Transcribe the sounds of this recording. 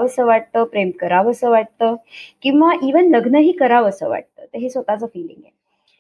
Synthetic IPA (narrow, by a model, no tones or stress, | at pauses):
əsəʋaʈ̚t̪əːpɾemkəɾaʋəsəʋaʈ̚t̪əːkĩw̃ʋaʔiʋənləɡnəɦiːkəɾaʋəsə̰ʋa̰ʈ̚t̪ə̰ːt̪əɦesʋət̪at͡səfiːlḭŋɡje